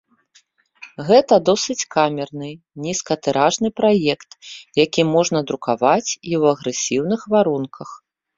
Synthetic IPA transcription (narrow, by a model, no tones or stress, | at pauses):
ɣɛt̪ɐd̪ɔsɨt͡sʲkamʲɛrnɨ | nʲiskɐt̪ɨɾaʐnɨpɾajɛkt̪jakʲimɔʐnɐd̪ɾukavat͡sʲiwɐɣɾɨsʲiwnɨxvaɾunkʰɐx